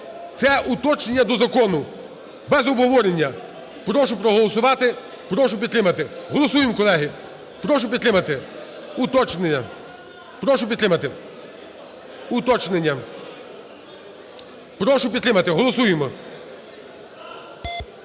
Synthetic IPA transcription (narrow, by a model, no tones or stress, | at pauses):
t̪sɛʊt̪ɔt͡ʃnenʲːɐd̪ɔzɐkɔnʊ | bɛzɔbɦɔʋɔɾenʲːɐ | pɾɔʃʊpɾɔɦɔlˠɔsʊʋɑt̪ɪ | pɾɔʃʊpʲid̪t̪ɾɪmɐt̪ɪɦɔlˠɔsujemkɔlˠɛɦi | pɾɔʃʊpʲid̪ɾɪmɐt̪ɪ | ʊt̪ɔt͡ʃnenʲːɐ | pɾɔʃʊpʲid̪t̪ɾɪmɐt̪ɪ | ʊt̪ɔt͡ʃnenʲːɐ | pɾɔʃʊpʲid̪t̪ɾɪmɐt̪ɪɦɔlˠɔsujemɔ